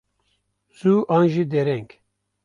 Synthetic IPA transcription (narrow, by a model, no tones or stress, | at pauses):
z̥uːʔɑːnʒid̪ɛɾɛŋk